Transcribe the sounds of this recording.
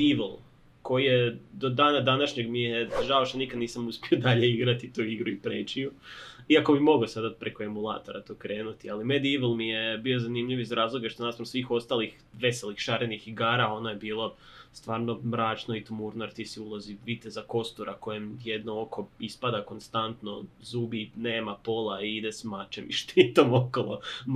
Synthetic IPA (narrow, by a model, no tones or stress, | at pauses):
d̪iʋlˠ | ko̞jijed̪od̪aːnad̪anaʃɲeɡmijeʒaoʃt̪anikad̪niːsamuspiod̪aʎe̞iɡɾat̪it̪uiɡɾuipɾeːt͡ʃijuiako̞bimo̞ɡosad̪at̪̚pɾe̞ko̞emulˠa̰t̪o̞ɾat̪okɾe̞ːnut̪ialimed̪iʋlˠmijebio̞zanimʎiʋizɾaːzlˠo̞ɡaʃt̪onasmɾosʋiːxo̞st̪alˠix | ʋe̞selixʃaɾenixiɡaːɾao̞nojebiːlˠo̞ | st̪ʋaːɾno̞mɾaːt͡ʃnoit̪omuɾnaɾt̪isiulˠoziʋit̪ezako̞st̪uɾʔakojemjed̪nooko̞ispad̪ako̞nst̪ant̪nozuːbineːmapo̞lˠaiid̪esmat͡ʃeʋḭʃt̪it̪omokolˠo